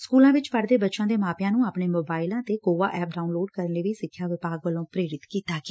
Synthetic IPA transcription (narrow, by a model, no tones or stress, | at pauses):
skuːlãːʋɪt͡ʃpəɽd̪eːbətːʃãːd̪eːmaːpjãːnũːaːpɳeːmoːbaːɪlãːt̪eːkoːʋa̰ːʔɛːp̚ɖaːunloːɖkəɾənleːʋiːsɪkʰːjaːʋɪpaːɡʋəlõːpɾeːɾɪt̪kiːt̪aːɡeː